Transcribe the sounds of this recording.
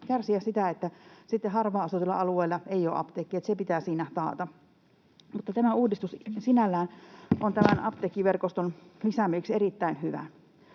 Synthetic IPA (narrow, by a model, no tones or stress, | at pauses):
kærsiæssit̪æet̪ːæsit̪ːehɑrʋɑːɑsut̪ilːɑ̰ɑlueːlːɑeijo̰ːʔɑ̰pt̪ekːiet̪sepit̪æːsiːnæt̪ɑ̰ːt̪ɑ | mut̪ːɑt̪æmæuːdist̪ussinælːæːnʔont̪æmænɑ̰pt̪ekːˑiʋerkost̪onlisæmyːkserit̪ːæinhyʋæ̰